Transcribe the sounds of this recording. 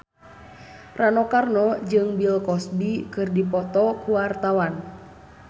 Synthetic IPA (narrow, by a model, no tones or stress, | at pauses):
ranɔkarnɔd͡ʒɨŋbilkɔsbikɨrdipɔt̪ɔkuwart̪awan